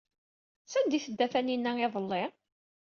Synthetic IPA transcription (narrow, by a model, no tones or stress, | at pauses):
sænd̪iθəd̪ːæθæninːæeðˤəlːɪ